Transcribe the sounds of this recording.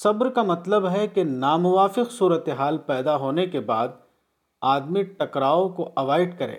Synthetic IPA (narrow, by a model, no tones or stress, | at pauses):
sɐbɾkamɐt̪ləbɦɛkenaːmʊʋaːfɪqsuːɾət̪eɦaːlpɛːd̪aɦoːnekebaːd̪̚ | aːd̪miʈɐkɾaːõkoʔɐʋaːɪɖkɐɾḛ̃ː